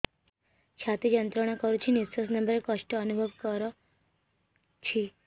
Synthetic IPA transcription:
t͡ʃʰat̪ijənt̪ɾəɽ̃akɔɾut͡ʃʰinisəsnəmbəɾekəʂʈəːnubʱəʋkəɾɔ | t͡ʃʰi

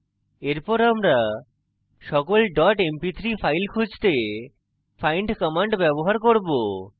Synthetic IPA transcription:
eɾpɔɾamɾa | ʃɔkolɖɔʈempit̪ʰɾifʰajlkʰud͡ʑt̪e | fʰajɳɖkɔmaɳɖbɛboɦaɾkoɾbo

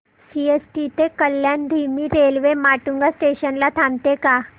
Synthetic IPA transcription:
siesʈit̪ekəljand̪ʱimiːɾelʋemaʈuŋɡasʈeɕənlat̪ʰamt̪eka

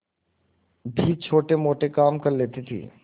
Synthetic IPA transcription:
bʱit͡ʃʰoːʈemoːʈekaːmkɐɾleːt̪it̪ʰḭː

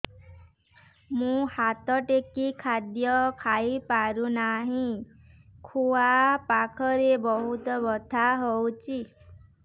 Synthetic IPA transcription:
mũhat̪ɔʈekikʰad̪jɔkʰaipaɾũnaɦĩ | kʰuapakʰɔɾebɔɦut̪ɔbɔd̪ʱaɦowt͡ʃʰi

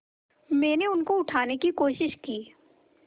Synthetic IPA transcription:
mɛ̃ːneʊnkoʊʈʰaːnekikoːʃɪʃkiː

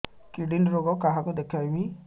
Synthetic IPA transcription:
kiɖinɾoɡɔkːaɦakud̪ɛkʰami

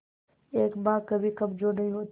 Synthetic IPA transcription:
eːkbaːkɐbʱikɐmd͡ʒoːnɐɦĩɦoːt̪

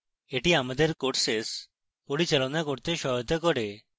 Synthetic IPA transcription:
eʈiamad̪eɾkoʈses | poɾit͡ɕalonakoɾt̪eʃɔɦot̪ekɔɾe

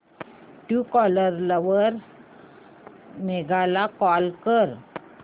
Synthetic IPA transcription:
ʈukɔləɾlaʋəɾ | meɡalakɔlkəɾ

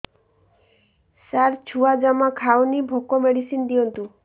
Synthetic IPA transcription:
saɾt͡ʃʰuad͡ʒamakʰawnibʱokɔmeɽisind̪iɔnt̪u

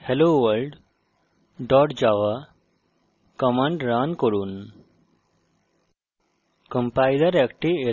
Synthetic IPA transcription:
heloʋəɾlɖ | ɖɔːʈd͡ʒaʋa | kɔmãɳɖɾaːnkəɾuːn | kə̃mpaːjd̪əɾɛkʈie

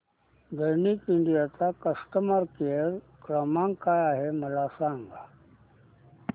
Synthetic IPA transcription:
d̪ʱəjnikiɳɖijat͡sakəsʈəmaɾkeɾ | kɾəmãŋkajaɦeməlasãŋɡa

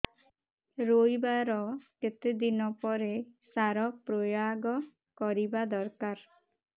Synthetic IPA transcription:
ɾojbaɾɔket̪ed̪inɔpɔɾesaɾɔpɾojaɡɔ | kɔɾibad̪ɔɾkaɾ

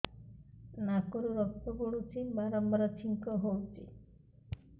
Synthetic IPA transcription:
nakoɾuɾɔk̚t̪ɔɡoɽut͡ʃʰibaɾɔmbaɾɔt͡ʃʰiŋkɔɦowt͡ʃʰi

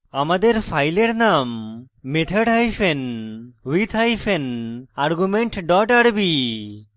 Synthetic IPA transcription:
amad̪eɾpʰajleɾnamː | et̪ʰəɽɦajpʰenwit̪ʰajpʰenaɾɡumeɳʈɖɔʈaɽbi

